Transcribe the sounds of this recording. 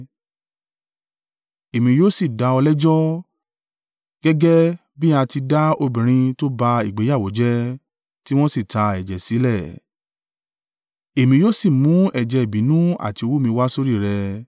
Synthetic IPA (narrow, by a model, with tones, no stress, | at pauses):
e˨mĩ˧joː˦si˦˨da˧ɔ˧lɛ˦d͡ʒɔ˦ | ɡ̥ɛ˦ɡɛ˦ | bi˦a˧ti˧da˦o˧bĩ˨ɾ̃ĩ˧to˦ba˧i˨ɡ͡be˨˦ja˦˨wo˨˦d͡ʒɛ˦ | ti˦w̃ɔ̃˦si˦˨ta˧ɛ˨d͡ʒɛ˨si˨˦lɛ˦˨ | e˨mĩ˧joː˦si˦˨mũ˨˦ɛ˦˨d͡ʒɛ˧e˨bĩ˨˦nũ˦a̰˦˨ti˨˧o˧wu˦mĩ˧wa˦so˦ɾi˦˨ɾɛ˧